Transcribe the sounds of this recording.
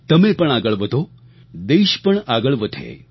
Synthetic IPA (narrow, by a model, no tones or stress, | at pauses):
t̪əmepəɳaɡəɭʋət̪o | d̪eɕpəɳaɡəɭʋət̪ʰḛ